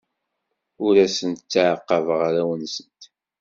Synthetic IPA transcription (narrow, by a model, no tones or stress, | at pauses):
ʊɾæsənt̪t͡sːaʕəqːəvʁaɾæwənsənt̪